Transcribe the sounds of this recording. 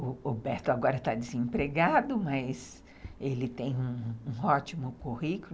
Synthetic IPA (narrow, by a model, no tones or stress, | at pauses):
ʊobɛɾt̪ʊaɡɔɾɐt̪ad͡ʒɪzẽmpɾeɡad̪ʊmɐjs | elɪt̪ẽj̃ũũɔt͡ʃimʊkuhikʊl